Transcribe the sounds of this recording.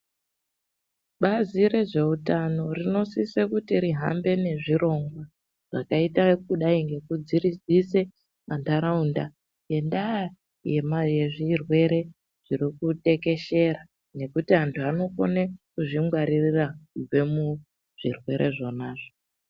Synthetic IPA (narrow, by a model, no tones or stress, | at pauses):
ɓaziɾe̞ʐe̞utano̞rino̞sisekutiɾiɦa̰mbe̞ne̞ʐiɾo̞ŋɡwa | ʐ̥akaitakuɗaiŋɡe̞kud͡ziɾid͡zise | mandaɾaunda | je̞ndaa | je̞majeʐirwe̞ɾe̞ | ʐ̥iɾikute̞ke̞ʃe̞ɾa | ne̞kutiɦantʰuano̞ko̰nekuʐimwaɾirirakub͡ve̞mu | ʐ̥irwe̞ɾʔe̞ʐo̞naːʐo